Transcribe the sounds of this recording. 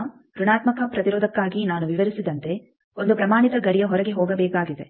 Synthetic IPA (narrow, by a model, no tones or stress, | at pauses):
ɾuɳaːt̪mɐkɐpɾɐt̪iɾoːd̪ɐkːaːɡinaːnuʋiʋɐɾisid̪ɐnt̪e̞ | ond̪upɾɐmaːɳit̪ɐɡɐɽijɐɦɔɾɐɡe̞ɦoːɡɐbɛːkaːɡid̪e̞